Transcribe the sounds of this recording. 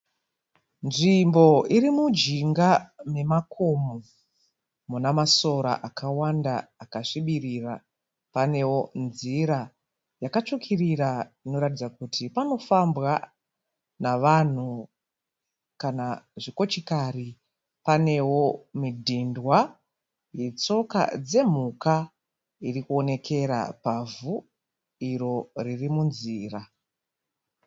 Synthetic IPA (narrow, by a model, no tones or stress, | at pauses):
nʐimbo̞iɾimud͡ʒiŋɡame̞makʰomo | munamaso̞ɾa̰ʔakʰawandaːkaʂiɓirira | pane̞wo̞nziɾa | jakat͡ʂukʰiriraino̞ɾatid͡zakutʰipano̞fambɣa | naʋan̤u | kanaʐiko̞t͡ʃikari | pane̞wo̞midʱindwa | je̞t͡so̞ka̰d͡ze̞m̤uka | irikuo̞ne̞kʰe̞ɾa̰pavu | iɾo̞ririmunziːra